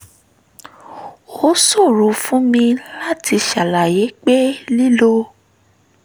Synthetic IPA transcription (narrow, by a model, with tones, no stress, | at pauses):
o˦so˦˨ɾo˨fũ˦mĩ˧la˦ti˧ʃa˨la˨je˨˦k͡pe˦li˦lo˧